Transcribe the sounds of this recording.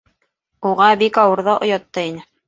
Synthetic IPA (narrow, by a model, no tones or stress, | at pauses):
uʁɑbikɑwɤ̆ɾðɑʔŏjɑt̪ːɤinɘ